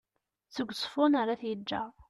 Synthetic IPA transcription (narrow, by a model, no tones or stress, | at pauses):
t͡sːəɡʷsˤfʊnaɾaθjəd͡ʒːæ̰